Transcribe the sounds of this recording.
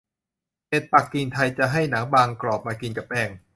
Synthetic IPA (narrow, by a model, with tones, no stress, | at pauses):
he˨˩t̪̚pa˨˩kːi˧nt̪ʰa˧jt͡ɕa˨˩ɦa˥˩jnaː˩˦ŋbaː˧ŋklɔː˨˩p̚maː˧ki˧nka˨˩p̚ʔɛː˧˩ŋ